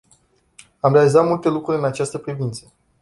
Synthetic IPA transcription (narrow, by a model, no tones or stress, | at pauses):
amɾe̞alizat̪mult̪e̞lukɾuɾʲɨnat͡ʃast̪əpɾivint̪sə̥